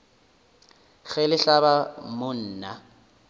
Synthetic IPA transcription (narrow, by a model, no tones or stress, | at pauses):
k͡xɛlɪɬaβamʊn̩ːna